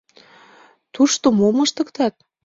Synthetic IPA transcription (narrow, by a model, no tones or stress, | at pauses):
t̪uʃt̪omomə̆ʃt̪ə̆kt̪ɑt̪̚